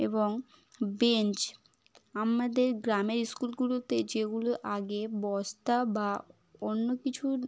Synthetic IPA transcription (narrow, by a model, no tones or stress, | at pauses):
eboŋ | bent͡ɕ | amad̪eɾɡɾameɾiskulɡulot̪ed͡ʑeɡuloʔaɡebɔst̪aba | onːokit͡ɕʰu